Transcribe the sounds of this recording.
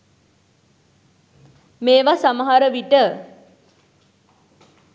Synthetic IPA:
meːʋasaməɦaɾəʋiʈə

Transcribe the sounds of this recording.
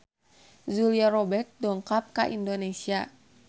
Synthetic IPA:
zuliarɔbɛrt̪̚dɔŋkap̚kaʔindonesia

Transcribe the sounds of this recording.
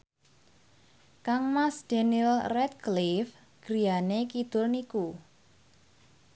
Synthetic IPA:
kaŋmasd̪̥enilrɛt̪̚klif | ɡ̥ɾijanekid̪̥ʊrniku

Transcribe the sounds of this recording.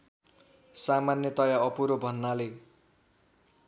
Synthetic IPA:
samanjʌt̪ʌjaʌpuɾobʱʌnːale

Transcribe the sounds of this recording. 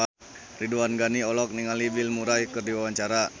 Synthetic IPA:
a | riduanɡaniɔlɔk̚niŋalibilmuɾajkɨrdiwawaɲt͡ʃaɾa

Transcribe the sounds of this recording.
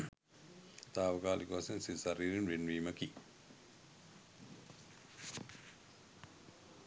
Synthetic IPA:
t̪aːʋɐkaːlikuʋasensisaɾiːɾinʋenʋiːməki

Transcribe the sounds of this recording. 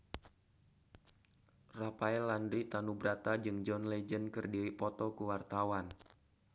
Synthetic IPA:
rapaɛlandɾit̪anubɾat̪ad͡ʒɨŋd͡ʒɔnlɛd͡ʒənkɨrdiwipɔt̪ɔkuwart̪awan

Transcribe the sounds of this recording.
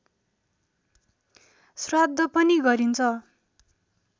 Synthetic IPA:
srad̪ʱːʌpʌniɡʌɾint͡sʰʌ

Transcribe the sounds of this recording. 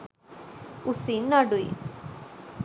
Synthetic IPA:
usinaɖuḭ

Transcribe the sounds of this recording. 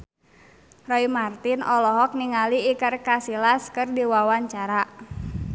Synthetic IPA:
rɔimart̪inɔlɔɦɔk̚niŋaliːkərkasilaskɨrdiwawaɲt͡ʃaɾa

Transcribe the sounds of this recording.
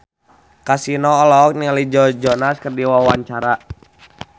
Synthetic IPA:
kasinɔːlɔːk̚nialid͡ʒɔd͡ʒɔnaskərdiwawaɲt͡ʃaɾa

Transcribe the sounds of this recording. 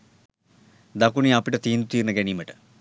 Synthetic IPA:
d̪ɐkuniapːiʈɐt̪iːnd̪ut̪iːrnɐɡenijmɐʈːɨ̥

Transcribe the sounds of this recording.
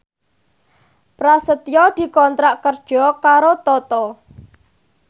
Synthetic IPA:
pɾasət̪jɔd̪̥i̤kɔnt̪ɾaʔkərd̥ʒ̥ɔ̤kaɾot̪ɔt̪ɔ

